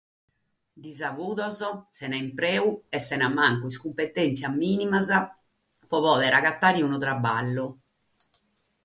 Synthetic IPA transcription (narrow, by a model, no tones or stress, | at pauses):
d̪izavuːðɔzɔsɛnaimpɾeːuɛsːɛnamːaŋkuiskumpɛt̪ːɛnt̪sjamiːnimaza | pɔvɔːðɛɾaɣat̪ːaːɾiunɔt̪ɾabːalːu